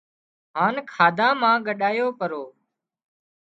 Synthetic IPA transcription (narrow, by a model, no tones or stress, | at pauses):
ɦaːnkʰaːd̪ãːmãːɡəɗaːjoːpəɾoː